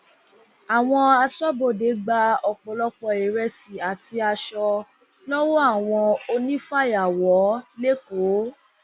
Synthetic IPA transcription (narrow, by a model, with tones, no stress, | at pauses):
a˨w̃ɔ̃˧a˧sɔ˦bo˦˨de˨˦ɡ͡ba˧˦ɔ˨k͡pɔ˨lɔ˦k͡pɔ˧e˨ɾɛ˧si˨a˨ti˧a˧ʃɔ˧ | lɔ˦wɔ˦a˦˨w̃ɔ̃˧o˧nĩ˦fa˦˨ja˨wɔ˨˦le˦ko˨˦